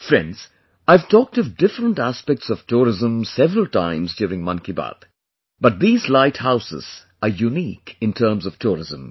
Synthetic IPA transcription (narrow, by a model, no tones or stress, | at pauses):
fɹɛ̃ndz̥ | aɪv̥tʰɔːk̚tʌvdɪfɾə̃ntæspɛk̚tsɔv̥tʰuɾɪzə̃msɛvɾəl̩ˠtʰã̰ɪ̃mzdjuːɾɪ̃ŋmʌ̃nkiba̰d̪ | b̥ʌt̪̚ðiːzlaɪthaʊsɪ̰z̥ | əjuniːkɨ̃ntʰəːɾmzʌv̥tʰuɹɪzə̃m